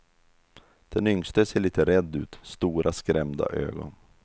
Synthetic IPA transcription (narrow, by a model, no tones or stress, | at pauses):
d̪̥ɛnʏŋst̪əseːɭiːt̪əɾɛd̪ːʉ̟ːt̪st̪uːɾʔaskɾɛmd̪a̰ʔø̰ːɡɔ̰n